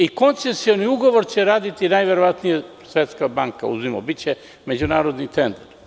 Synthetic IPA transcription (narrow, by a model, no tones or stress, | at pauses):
iko̞nt̪se̞sio̞niuɡo̞ʋo̞ɾt͡ɕeɾaːd̪it̪inajʋeɾoʋat̪nije | sʋet̪skabaŋka̰ṵzimo̰bitt͡ɕe | me̞d͡ʑunaːɾod̪nit̪end̪aɾ